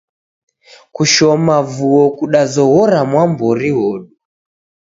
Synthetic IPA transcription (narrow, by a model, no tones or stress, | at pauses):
kuʃɔmavuɔkuɗazɔɣɔɾamwambɔɾiwɔɗu